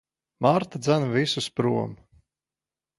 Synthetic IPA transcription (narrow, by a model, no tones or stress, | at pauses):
maɾt̪ad̪zænvisuspɾuɔm